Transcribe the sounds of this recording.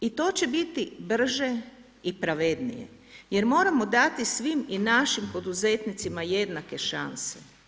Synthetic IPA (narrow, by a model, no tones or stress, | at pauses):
it̪o̞ːt͡ɕe̞bit̪ibr̩ʒe | ipɾaʋe̞d̪nḭjḛ | je̞ɾmo̞ːɾamo̞d̪at̪isʋiminaʃimpo̞d̪uze̞t̪nit̪simaje̞d̪nake̞ʃa̰nse̥